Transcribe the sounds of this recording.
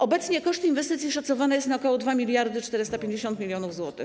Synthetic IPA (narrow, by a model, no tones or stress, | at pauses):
ʔɔbɛt̪sɲɛkɔʂt̪invɛst̪ɘt̪sʲiʂat̪sɔvanajɛst̪naɔkɔwɔd̪vamʲilʲjaɾd̪ɘt͡ʂt̪ɛɾɘst̪apʲjeɲd͡ʑeɕɔnt̪mʲilʲjɔnuvzwɔt̪ɘ̰x